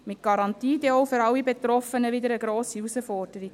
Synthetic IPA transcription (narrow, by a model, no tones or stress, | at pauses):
mɪt̚ɡ̥ɑɾɑntiːd̪eɔwfʏɾɑlːibet̪ɾɔfənəʋɪd̪əɾəɡɾoːsiusəfɔrd̥əɾik